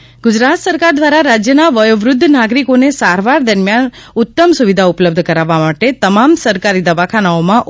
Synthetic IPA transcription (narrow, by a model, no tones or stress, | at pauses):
ɡʊd͡ʒɾat̪səɾkaɾd̪ʋaɾaɾad͡ʒjənaʋəjoʋɾʊd̪ʱːnaɡɾikonesaɾʋaɾd̪əɾmjanʊt̪ːəmsuʋid̪ʱaʊpləb̚d̪ʱəkəɾaʋːamaʈet̪əmamsəɾkaɾid̪əʋakʰanaomãʔ